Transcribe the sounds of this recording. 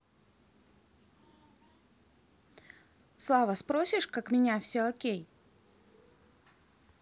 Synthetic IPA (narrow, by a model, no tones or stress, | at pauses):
slˠavəspɾosʲɪʂkakmʲɪnʲafsʲoɐkʲej